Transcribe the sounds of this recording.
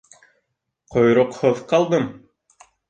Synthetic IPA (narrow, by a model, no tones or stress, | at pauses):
qʰojɾoqhoðqɑlˠd̪ɤm